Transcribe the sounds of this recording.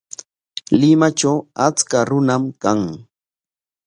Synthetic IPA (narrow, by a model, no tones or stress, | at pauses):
lɪmat͡ʃawat͡skaɾʊnamkaŋ